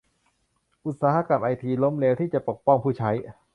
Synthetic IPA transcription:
ʔu˨˩t̪̚saː˧ha˧ka˧mʔa˧jt̪ʰiː˧lo˦˥mleː˧wt̪ʰiː˥˩t͡ɕa˨˩po˨˩k̚pɔ˥˩ŋpʰuː˥˩t͡ɕʰa˦˥j

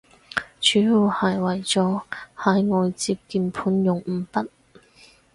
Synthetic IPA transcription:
t͡ʃyː˨˥juː˨˩whɐ˨˩jwɐ˨˩jt͡sɔː˨˥haː˨˧jŋɔː˨˧jt͡siː˧p̚kiː˨˧npʰuː˨˥njʊ˨ŋm̩˨˧˩pɐ˥t̚

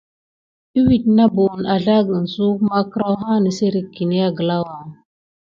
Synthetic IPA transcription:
i˦wi˨tna˦bo˨na˨ɮa˦ɡə˨n˨su˦kma˦kə˦ɾa˦wɦa˦nə˨se˦ɾi˨kːi˨ni˦ja˦ɡə˨la˦wa˨

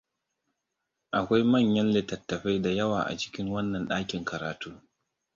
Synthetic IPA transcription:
ʔa˨kʷa˦jmɐ˦˨ɲjɐ˦nlɪ˨tɐ˨tːɐ˨ɸa˦jda˨jɐ˦waː˨ʔa̰˨t͡ʃɪ̥˦kʲɪ˦ŋwɐ˦nːɐ˨nɗaː˦kʲɪ˨ŋkɐ˨ɾaː˨tuː˦

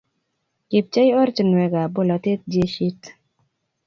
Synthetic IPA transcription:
kɪ˨p̚t͡ʃa˦jɔ˦ɾt͡ʃə˨nwɛ˨ɡa˨bo˦˨la˨t̪e˦t̪̚d͡ʒje˦ʃi˦t

